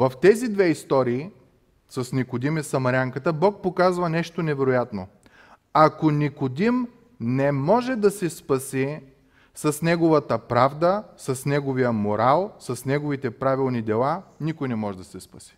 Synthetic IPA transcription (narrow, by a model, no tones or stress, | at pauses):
vɐft̪ɛzid̪vɛist̪ɔɾiː | sɐsnikod̪imisɐmɐɾʲaŋkət̪əbɔk̚pokazvɐnɛʃt̪onɛvɛɾojat̪no | akonikod̪im | nɛmɔʒɛd̪ɐsɛspɐsi | sɐsnɛɡovət̪əpɾavd̪əsɐsnɛɡovijəmoɾalˠsɐsnɛɡovit̪ɛpɾavilˠnid̪ɛlˠanikojnɛmɔʒɛd̪ɐsɛspɐsi̥